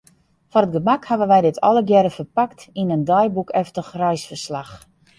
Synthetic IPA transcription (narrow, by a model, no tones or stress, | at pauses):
fɔrət̚ɡəmakhavənʋɛjdɪtʰɔ̰ləɡjɛɾəfəpaktinəndajbukɛftəxrɛjsfərslax